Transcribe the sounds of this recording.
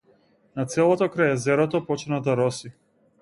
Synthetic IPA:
nat̪sɛlˠɔt̪ɔkɾajɛzɛɾɔt̪ɔpɔt͡ʃnad̪aɾɔsi

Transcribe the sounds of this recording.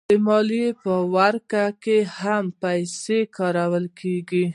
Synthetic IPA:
d̪̥əmɑlepəwaɾkakehampajsekɑɾawəlkʰeɡi

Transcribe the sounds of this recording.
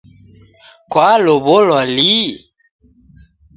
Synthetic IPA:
kwaloβolɔli

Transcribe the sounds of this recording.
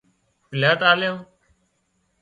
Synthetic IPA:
pɪlaːʈaːljõː

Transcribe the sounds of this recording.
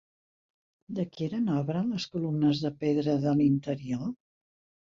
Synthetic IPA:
d̪əkieɾənɔβɾələskulumnəzðəpeðɾəðəlint̪əɾio

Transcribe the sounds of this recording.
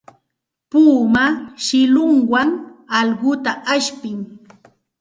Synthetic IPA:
puːmaʃɪlʊŋwaŋɑlɢʊt̪aʔaʃpɪŋ

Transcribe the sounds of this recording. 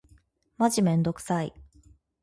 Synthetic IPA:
maʑimẽ̞nd̪o̞kɯ̟̥sai

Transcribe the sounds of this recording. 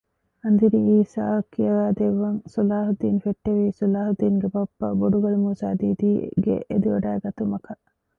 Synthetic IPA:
ɐnd̪iɾiiːsaːkːijɐʋæːd̪eʋːɐŋsulaːɦud̪iːnfeʈːeʋiːsulaːhud̪iːŋɡebɐpːɐ̰boɖuɡɐlumuːsaːd̪iːd̪ḭːɡḛʔed̪iʋɐɖæːɡɐt̪umɐkɐ

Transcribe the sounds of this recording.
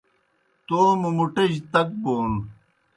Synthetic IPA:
t̪oːmumuʈɐd͡ʑt̪ɐk̚boːn

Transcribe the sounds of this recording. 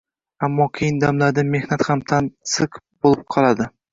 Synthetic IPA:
amːɒkʲʰejɪnd̪amlaɾd̪ame̞hnat̪hamt̪ʰansɨqbolˠɪp̚qʰɒlˠad̪ɪ

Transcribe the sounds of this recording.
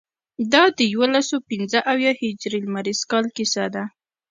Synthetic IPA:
d̪ɑd̪əjwolasopinzəʔawjɑhɪd͡ʒɾilmaɾiz̥kɑlkisad̪a

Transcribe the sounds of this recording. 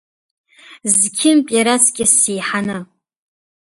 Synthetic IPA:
zkʲʰɪmpʼaɾat͡sʰʼkʲʼɪsejħanɨ

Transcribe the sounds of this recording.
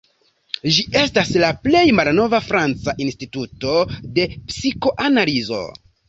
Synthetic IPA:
ʒiʔe̞staslaple̞jmalno̞vafɾant͡saʔinstituto̞de̞psiko̞ʔanalizo̞̰

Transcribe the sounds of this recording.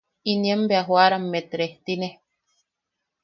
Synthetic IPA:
iniembeaɦwaɾamːet̪ɾeht̪ine

